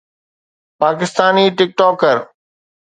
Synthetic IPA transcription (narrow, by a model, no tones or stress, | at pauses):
paːkɪst̪aːniːʈɪk̚ʈɔːkəɾ